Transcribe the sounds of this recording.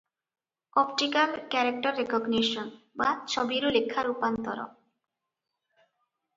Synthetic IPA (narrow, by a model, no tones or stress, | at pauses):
ɔp̚ʈikalkɛɾek̚ʈaɾːekɔɡneʃɔnbat͡ɕʰɔbiɾolekʰːaɾupant̪ɔ̰ɾo̰